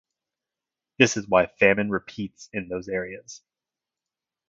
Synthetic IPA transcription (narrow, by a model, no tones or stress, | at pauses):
ðɪsɨzwaɪfæmɨ̃nɹɨpʰitsɨ̃nðoʊzɛɹiɨz̥